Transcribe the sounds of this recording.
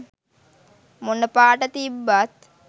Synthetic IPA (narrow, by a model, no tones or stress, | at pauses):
munəpaːʈət̪ibːat̪